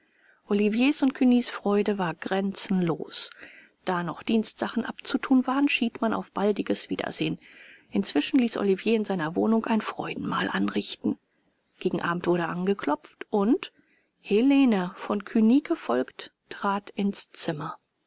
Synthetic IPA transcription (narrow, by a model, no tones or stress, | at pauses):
ʔolivjeːsʊntkʰyniːsfʁ̥ɔʏdəvaːɐɡʁɛnt͡sn̩loːs | d̥aːnɔχd̥iːnstz̥aχn̩ʔapt͡sutʰuːnvaːʁənʃiːtmanʔa̰ʊfb̥aldɪɡəsv̥iːdɐ̰z̥eːənʔɪnt͡sv̥ɪʃn̩liːsʔo̰livjeːɪnzaɪnɐvo̰ːnʊŋkʔaɪnfʁ̥ɔ̰ʏdn̩ma̰ːlʔanʁɪçtn̩ | ɡ̥eːɡŋ̩ʔa̰ːbm̩tv̥ʊɐɾəʔanɡəkʰlɔpp͡ftʔʊnt | heleːnəfɔnkʰyniːɡ̥əfɔlkttʁ̥aːtɪnst͡sɪmɐ